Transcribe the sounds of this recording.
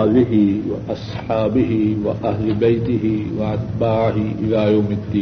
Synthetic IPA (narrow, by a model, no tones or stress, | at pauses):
ðɪɦɪwa̰ʔɑsˤħɑːbɪɦɪwaʔahlɪbajt̪ɪɦɪwaʕat̪baːʕɪɦɪʔɪlaːjawmɪd̪ːiː